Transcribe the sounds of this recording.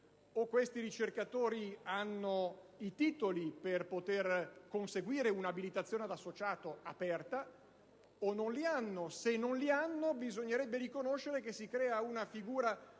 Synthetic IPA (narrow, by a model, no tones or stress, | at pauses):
okːwest̪iɾit͡ʃerkat̪oːɾianːoit̪iːt̪oliperpot̪erkonseɡwiːɾeunabilit̪at̪sːjoːnead̪asːot͡ʃaːt̪oa̰pɛrt̪a | ononlianːosenːonlianːobizoɲːeɾɛbːeɾikonoʃːeɾekesːikɾɛːaunafiɡuːɾa